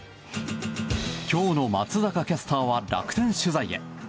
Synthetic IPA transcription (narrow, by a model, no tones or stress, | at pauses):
kʲʰo̞ːno̞mat͡sɨzakakʲasɨ̥t̪aːβaɾa̰kɯ̟̥t̪ẽ̞ɰ̃ɕɨzaie̞̰